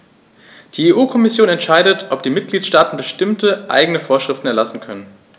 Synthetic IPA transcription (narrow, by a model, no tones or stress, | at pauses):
d̥iːeːʔuːkʰɔmɪsjoːnɛntʃaɪdətʰʔɔp̚d̥iːmɪt̚ɡ̥liːtʃtaːtn̩bəʃtɪmtəʔa̰ɪɡəŋnəfoːɐʃʁ̥ɪftn̩ɛɐlasn̩kʰœnən